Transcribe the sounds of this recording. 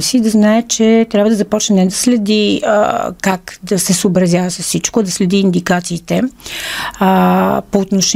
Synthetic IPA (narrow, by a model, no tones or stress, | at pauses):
sid̪ɐznaɛt͡ʃɛt̪ɾʲabvɐəd̪ɐzɐpɔt͡ʃnɛnɛd̪ɐslɛd̪ḭ | kakd̪ɐsɛsoːbɾɐzʲjavɐsəsːit͡ʃkod̪ɐslɛd̪iːnd̪ikat̪siːt̪ɛ | poːt̪noʃ